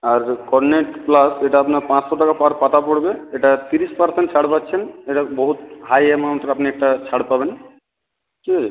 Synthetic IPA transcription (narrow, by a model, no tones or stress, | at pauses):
aɾkɔɾneʈplaseʈaapnaɾpãt͡ɕsoʈakapaɾpat̪apoɽbeeʈat̪iɾispaɾseɳʈt͡ɕʰaɽpatːɕʰeneʈaboɦut̪̚ɦajemawɳʈɾapniɛk̚ʈat͡ɕʰaɽpaben | t͡ʃi